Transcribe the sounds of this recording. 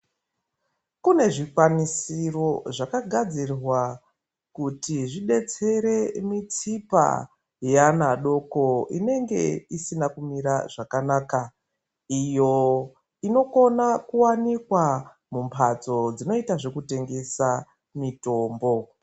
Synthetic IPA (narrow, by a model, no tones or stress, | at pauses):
kune̞ʐikwanisiro̞ʐakaɡʱad͡zirrwa | kutiʐiɗe̞t͡se̞ɾe̞mit͡sipa̰ | janaɗo̞ko̞ine̞ŋɡe̞̰isinakumiɾaʐakanaːka | ijo̞ | ino̞ko̞nakuwanikwa | mumpʰat͡so̞d͡zino̞itaʐe̞kute̞ŋɡe̞sa | mito̞ːmbo̞